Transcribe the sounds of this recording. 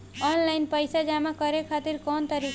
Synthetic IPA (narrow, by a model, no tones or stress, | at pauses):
ɔnlajnpʌjsad͡ʒamakʌɾekʰat̪iɾkɔnt̪ʌɾi